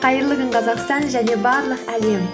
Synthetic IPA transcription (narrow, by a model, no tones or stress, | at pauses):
qʰɑjɾlˠəʁəɴqʰɑzɑqst̪ɑnʒæne̞bɑɾlˠəqæle̞m